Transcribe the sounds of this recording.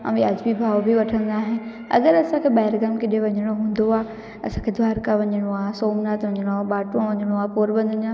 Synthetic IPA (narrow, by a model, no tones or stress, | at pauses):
ɐ̰̃jaːd͡ʑbibʱaːʋobʱiʋɐʈʰə̃nd̪aːɦɪnɪ̆ | ɐ̰ɡəɾɐsãkʰeɓaːɪɾɡəmkɪɗẽʋɐɲəɽ̃oɦũːn̆d̪oaː | ɐsãkʰed̪ʱʋaːɾkaʋɐɲəɽ̃oaːsoːmnaːt̪ʋɐɲəɽ̃oaːɓaːʈuãʋɐɲəɽ̃oaːpoːɾbɐ̃nd̪ʱəɲã